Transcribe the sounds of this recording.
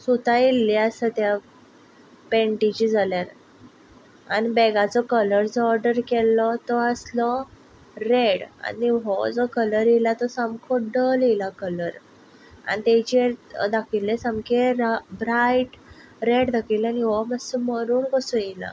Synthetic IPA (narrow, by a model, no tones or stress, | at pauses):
sut̪ajilːiasət̪ja | pẽɳʈit͡ɕid͡zaljaɾ | anibɛɡat͡sɔkələɾd͡zɔɾɖəɾkɛlːɔt̪ɔəslɔ | ɾeɽa̰niɦɔd͡zɔkələɾjelat̪ɔsamkʰɔɖəlelakələɾ | a̰nit̪et͡ɕied̪akʰilːesamkeɾbɾajʈ | ɾeɽd̪akʰilaniɦɔməsəməɾuːɳkəsũjela̰